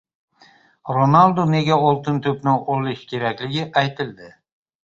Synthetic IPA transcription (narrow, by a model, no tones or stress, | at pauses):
ɾonalˠd̪one̞ɡʲaɒlˠt̪ɪnt̪ʰɵpnɪolɪʃkʲʰe̞ɾakʲlɪɡʲɪʔajt̪ʰɪld̪ɪ